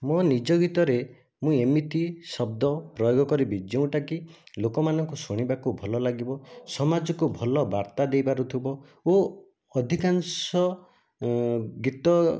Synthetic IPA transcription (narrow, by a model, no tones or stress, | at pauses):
mɔnid͡ʒɔɡit̪ɔɾe | mũemit̪isɔb̚d̪ɔpɾɔjoɡɔkɔɾibid͡ʒew̃ʈakilokɔmanɔŋkusuɽ̃ibakubʱɔlɔlaɡibɔsɔmad͡ʒɔkubʱɔlɔbaɾt̪ad̪ejbaɾut̪ʰibɔ | o | ɔd̪ʱikansɔ | ɡit̪ɔ